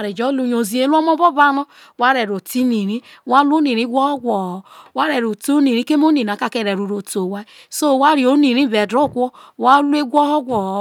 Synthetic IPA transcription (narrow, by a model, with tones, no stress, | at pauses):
ɾe˨d͡ʒɔ˦lu˦ɲo˨zi˨e˦lu˦ɔ˦mɔ˦bɔ˦ba˦nɔ˦ | wa˦ɾe˨ɾo˨ti˦ni˨ɾi˦wa˦lu˦ni˨ɾi˦ɡʷɔ˦hɔ˦ɡʷɔ˨wa˦ɾe˨ɾo˨to˦ni˨ɾi˦ke˦m˦o˦ni˨ɾa˨ka˦˨ke˦ɾe˨ɾu˨ɾo˨to˨wa˦ | so˦˨wa˦ɾi˨o˦ni˨ɾi˦be˨dɾo˦˨kʷɔ˦wa˦lu˦e˦ɡʷɔ˦hɔ˦ɡʷɔ˨˦